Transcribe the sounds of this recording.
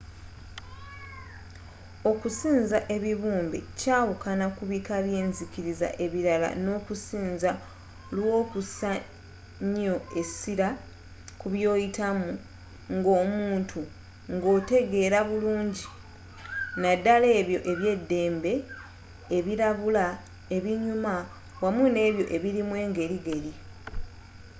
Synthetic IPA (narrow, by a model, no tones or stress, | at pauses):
o̞kusiːnzaʔe̞βiβuːmbḛcaːwukanakuβikaβje̞ːnzikiɾiza̰ʔe̞βiɾala̰no̞ːkusiːnza | lwo̞ːkusa | ɲo̞e̞siɾa | kuβjo̞ːjitamu | ŋɡo̞ːmuːntʰu | ŋɡo̞ːte̞ɡe̞ːɾaβuluːɲɟi | nadale̞ːβjo̞ʔeβje̞dːe̞ːmbe̞ː | βiɾaβula | e̞βiɲuma | wamune̞ːβjo̞ʔe̞βiɾimwe̞ːŋɡe̞ɾiɡe̞ɾi